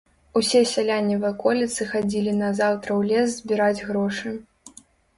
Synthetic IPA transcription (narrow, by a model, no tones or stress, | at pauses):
usʲɛsʲalʲanʲːivɨɐkɔlʲit̪sɨxad͡zʲilʲinɐzawt̪ɾɐwlʲɛszʲbʲiɾad͡zʲɣɾɔʂɨ